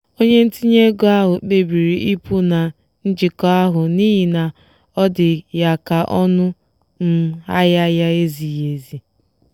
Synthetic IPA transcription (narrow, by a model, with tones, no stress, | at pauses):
o˦ɲe˦n̩˦ti˦ɲe˦ɡo˦a˦ɦʊ˨k͡pe˨bi˨ɾi˨ʔi˦pu˦na˨ | n̩˦d͡ʒɪ˨kɔ˦a˦ɦʊ˨ni˦ɦi˨na˨ | ɔ˦dɪ˨ja˨ka˨ʔɔ˦nʊ˦ | n̩˦a˦ja˦ja˦e˦zi˨je˨zi˨